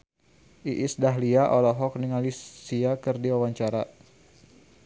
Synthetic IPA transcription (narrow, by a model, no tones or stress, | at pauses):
ʔiʔisdaɦliaʔɔlɔɦɔk̚niŋalisiakɨrdiwawaɲt͡ʃaɾa